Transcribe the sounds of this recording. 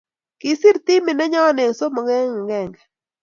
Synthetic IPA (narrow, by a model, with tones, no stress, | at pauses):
ki˨si˦ɾt̪i˦mɪ˨nɛ˦ɲɔ˦ne˨ŋso˦mɔ˨ŋɛ˦ŋ˨ŋɛ˦˨ŋɡɛ˨